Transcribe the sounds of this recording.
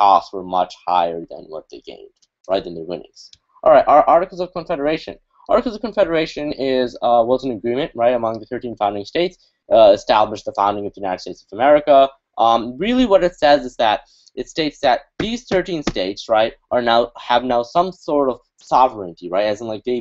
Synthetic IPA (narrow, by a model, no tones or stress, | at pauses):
kʰɔtswə˞mʌ̰t͡ʃha̰ɪə˞ðɨ̰̃nwʌ̰t̪̚ðeɪɡ̥ḛ̃ɪ̃nd̥ | ɹʔaɪt̪̚ðɨ̃nðəwɪ̰̃nɪ̰̃ŋz̥ | ʔɑ̰lˠɹaɪtʔɑɹʔɑɹɾɨkl̩ˠzʌv̥kʰə̃ɱfɛɾə˞eɪʃɨ̰̃n | ʔɑɹɾɨkl̩ˠzʌv̥kɨ̃ɱfɛɾə˞eɪʃɨ̃nɪzʌwʌzɨ̃nɨɡɹĩmɨ̃nʔɹaɪɾəmʌ̃ŋðɨθɜ˞tĩnfãʊ̃ndɪ̃ŋsteɪts | ʌɨstæbləʃðəfãʊ̃ndɪ̃ŋʌvðjɨnaɪɾɨd̥steɪtsʌvəmɛɹɨkə | ʔʌɹɪlˠiwʌɾɨtsɛzɨzðɨɾ | ʔɨtsteɪtsðɨt̪̚ðiz̥θɜ˞tĩnsteɪtsɹaɪt̚ʔə˞naʊəvnaʊsʌ̃msɔɹɾʌv̥ | sɑvə˞ɨ̃ntiɹaɪɾæzn̩ʔlaɪk̚ðeɪ